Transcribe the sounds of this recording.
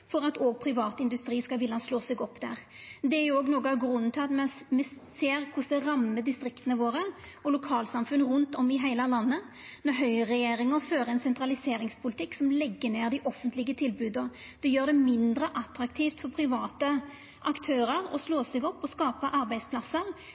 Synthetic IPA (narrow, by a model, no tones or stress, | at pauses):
fɔɾɑt̪oːɡ̚pʰɾɪʋɑːt̪ɪnd̪ʉst̪ɾiːskɑʋɪlɑsloːsɛɡɔpːd̪æ̰ʁ | d̪ɛæjoːɡnoːɡɑɡɾʉnːt̪ʰɑt̪mɛmɛseːʁkʰʊsɛʁɑmːəd̪ɪst̪ɾɪkt̪ənəʋoːʁə | ɔlʊkʰɑːlsɑmfʉnʁʉnt̪ɔmɪɦæɪlɑlɑnːə | nɔɦœʏʁɛjeːɾɪŋəʁføːɾʁəɛnsɛnt̪ʁɑlɪseːɾɪŋspʰʊlɪt̪ʰɪksɔmlɛɡːəneːʁd̪ɪʔɔfːənt̪lɪɡət̪ʰɪlbʉːd̪ə | d̪̥ɛjøːʁd̪ɛmɪnd̪ɾəʔɑt̪ɾɑkt̪ʰiːft̪fɔʁpʰɾɪʋɑːt̪ə | ʔɑkt̪ʰøːʁəɾɔ̰sloːsɛɡɔpːɔskɑːpəʔɑɾbæɪd̪spʰlɑsːəʁ